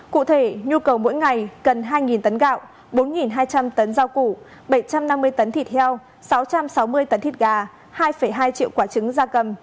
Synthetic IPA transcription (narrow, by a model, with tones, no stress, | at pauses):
kṵ˧˨t̪ʰe˧˩ɲu˧kə˨˩wmo̰˧˥jŋa˨˩jɣə˨˩nɦaː˧jŋi˨˩nt̪ə˨˦nɣa̰ː˧˨w | ɓo˨˦nŋi˨˩nɦaː˧jt͡ɕa˧mt̪ə˨˦nzaː˧wku˧˩ | ɓə˧˩jt͡ɕa˧mna˧mːɨ˧əjt̪ə˨˦nt̪ʰi˧˩t̚hʰɛ˧w | sa˨˦wt͡ɕa˧msa˨˦wmɨ˧əjt̪ə˨˦nt̪i˧˩t̚ɣaː˨˩ | haː˧jfə˧˩jɦaː˧jt͡ɕḭ˧əwkwaː˧˩t͡ɕɨ˨˦ŋzaː˧kə˨˩m